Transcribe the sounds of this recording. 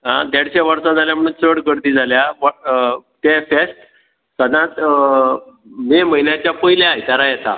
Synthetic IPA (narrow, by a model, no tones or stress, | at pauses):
ɦã̰d̪ɛɽɕaʋəɾsad͡zʱaljam̤əɽ̃uːnt͡səɽɡəɽt̪iːd͡zʱaljaʋ | t̪ɛfɛsʈ | səd̪ãt̪ | meməinjat͡ɕjapəilaajt̪aɾajɛt̪a̰